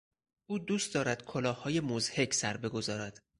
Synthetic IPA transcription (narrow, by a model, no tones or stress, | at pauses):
ʔuːd̪uːst̪d̪ɒːɾæd̪̥kʰolɒːhːɒːje̞mozhe̞cʰsæɾbe̞ɡo̞zɒːɾæd̪̥